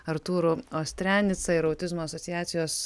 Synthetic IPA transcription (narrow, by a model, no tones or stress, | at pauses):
ɐɾt̪uːɾʊoːsʲt̪ʲɾʲæːnʲɪt̪sɐɪɾɐʊt̪ʲɪzmoːɐsɔt̪ʲɪjæːt̪sʲɪjoːs